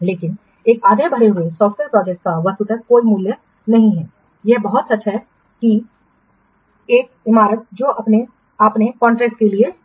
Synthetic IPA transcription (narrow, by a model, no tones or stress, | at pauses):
leːkɪn | eːkaːd̪ʱjebʱəɽeɦʊesɔːfʈʋeɾpɾɔːd͡ʒek̚aʋəst̪ut̪əkkoːimuːljə | nɐɦĩɦɛː | jɛbəɦʊt̪sɐːʃʰɦɛ | ki | eːk̚ | ɪmaːɾət̪̚d͡ʒoːʔɐpne | apnekɔ̃ːɳʈɾɛːk̚ʈkelie